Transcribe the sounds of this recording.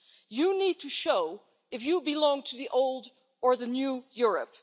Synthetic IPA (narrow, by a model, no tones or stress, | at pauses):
jɨnid̚tʰɨʃoʊ | ɨfjɨbɨlɔ̃ŋtʰɨðiʔoʊlˠd | ə˞ðɨnjujʊɹɨ̰p̚